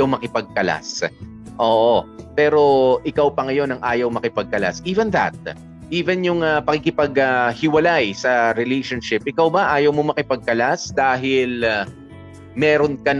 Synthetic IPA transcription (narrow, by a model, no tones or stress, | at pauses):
ɐwmɐkɪpɐɡ̚kɐla̰s | ʔoːʔopɛːɾo̞ʔɪkawpɐŋɐjo̞nɐŋʔaːjɐwmɐkɪpɐɡ̚kɐla̰sʔiːvɛnðɐ̰t̪̚ | ʔiːvɛnjʊŋɐpɐkɪkɪpɐɡɐhɪwɐlajsɐɾɪlejʃonʃɪp̚ʔɪkawbɐʔaːjɐwmomɐkɪpɐɡ̚kɐlasd̪aːɦɪl | mɛːɾonkɐn